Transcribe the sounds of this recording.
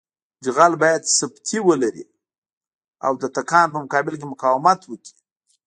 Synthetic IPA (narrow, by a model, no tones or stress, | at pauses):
d͡ʒɣalbɑjad̪sabt̪ʰiwəlaɾḭ | a̰wd̪ət̪akɑnpəmʊkɑbɪlk̬emʊkɑwɪmat̪wəkʰi̥